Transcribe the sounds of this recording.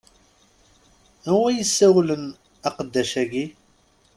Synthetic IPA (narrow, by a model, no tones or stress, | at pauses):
æwæjəsːæwlən | ɑqəd̪ːæʃæɡi